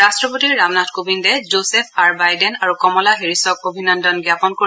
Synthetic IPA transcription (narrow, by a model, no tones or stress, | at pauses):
astɹɔpotiɹːamnatʰkobindɛzosɛpʰaɹbajdɛnaɹukɔmɔlaɦiɹisɔk̚obʱinɔndɔnɡjapɔnko